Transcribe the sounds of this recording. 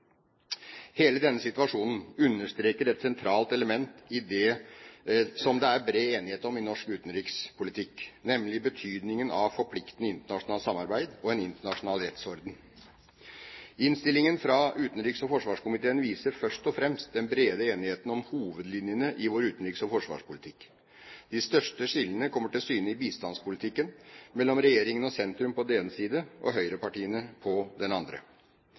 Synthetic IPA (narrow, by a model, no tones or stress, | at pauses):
heːləd̪ɛnːəsɪt̪ʉʋɑʂuːnn̩ʉnːəʂt̪ɾeːkəɾɛt̪sɛnt̪ʰɾɑːlt̪ɛləmɛnt̪ɪd̪ɛ | sɔmd̪ɛæɾbɾeːeːnɪheːt̪əɔmɪnɔʂkʉːt̪nɾiːkspʰʊlɪt̪ʰɪkːnɛmlɪbət̪ʰyːd̪nɪŋənɑʋfɔpʰlɪkt̪nəɪnt̪əɳɑʂʊnɑːlsɑmːɑɾbæɪd̪ɔɛnɪnt̪əɳɑʂʊnɑːlɾɛt̪sɔɾd̪n | ɪnst̪ɪlɪŋənfɾɑʉːt̪ənɾiːksɔfɔʂʋɑːʂkʊmɪt̪ʰeːənʋiːsəɾfœʂtɔfɾɛmst̪̚d̪ɛnbɾeːd̪əeːnɪheːt̪nɔmhuːʋəd̪lɪnjənəʔɪʋoːɾʉːt̪nɾiːksɔfɔʂʋɑ̰ːʂpʊlɪt̪ʰɪkː | d̪̥ɪst̪œʂʈəʂɪlːənəkʰɔmːəʈɪlsyːnəɪbiːst̪ɑnspʊlɪt̪ʰɪkːənmɛlːɔmɾɛjeːɾɪŋənɔsɛnt̪ɾʉmpɔd̪ɛneːnəsiːd̪əʔɔ̰ɦœʏɾəpɑʈiːənəpʰɔd̪ɛnɑnd̪ɾə̰